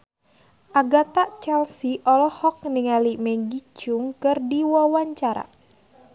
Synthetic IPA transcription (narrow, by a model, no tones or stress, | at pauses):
ʔaɡat̪aʔt͡ʃɛlsiʔɔlɔhɔk̚niŋalimɛɡid͡ʒuŋkɨrdiwawaɲt͡ʃaɾa̰